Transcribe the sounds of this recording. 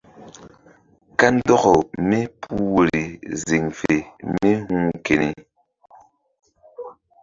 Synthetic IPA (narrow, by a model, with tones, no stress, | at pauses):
ka˦n̩˦dɔ˦ɣɔ˨me˦pʰu˦wo˨ɾi˨zi˨ŋfe˨me˦hu˦ŋke˨ni˨